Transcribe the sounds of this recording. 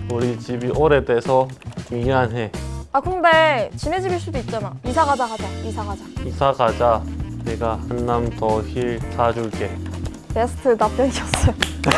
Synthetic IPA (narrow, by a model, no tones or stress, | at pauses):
uɾit͡ɕibiʔoɾetesʰʌmianɦe̞akɯndet͡ɕined͡ʑibiɭs͈udoit̚t͡ɕ͈anaisʰaɡad͡ʑakad͡ʑaisʰaɡad͡ʑaisʰaɡad͡ʑaneɡahanːamtʌçiɭt͡ɕad͡ʑuɭk͈e̞ | pesʰɯ̥tʰɯnap̚t͈enɕʌs͈ʌ